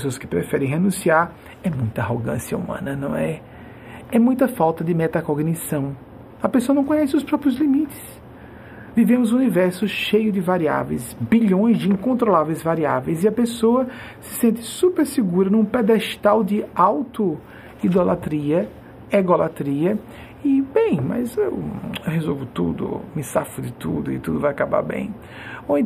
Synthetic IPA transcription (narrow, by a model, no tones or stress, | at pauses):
soɐskɪ̥pɾɛfɛɾẽj̃ɦenũsiaɾ | ɛmũj̃t̪ɐaɦoɡɐ̰̃siɐṵmɐ̰̃nɐnɐ̰̃w̃ɛ | ɛmũj̃t̪ɐfawt̪ɐd̪ɪmɛt̪akoɡnisɐ̃w̃ | ɐpesoɐñkõɲɛsɪʊspɾɔpɾiʊzlimit̪ɪ̥s | vivẽmʊzũnivɛɾsʊʃejʊd͡ʒɪvaɾia̰vḛjsbiʎõj̃zd͡ʒɪĩkõnt̪ɾolavejzvaɾia̰vejzɪɐpesoɐ | sɪ̥sẽnt̪ɪ̥supeɾsɪɡuɾɐnũpɛd̪ɛʃt̪awd͡ʒɪawt̪ʊ | id̪olat̪ɾiɐ | eɡolat̪ɾiɐ | ɪbẽj̃mɐ̰zewhezowvʊt̪ṵd̪ʊ̰mɪsafʊd̪ɪt̪ud̪ʊɪ̰t̪ud̪ʊvajakaba̰ɾbḛ̃j̃ | oẽ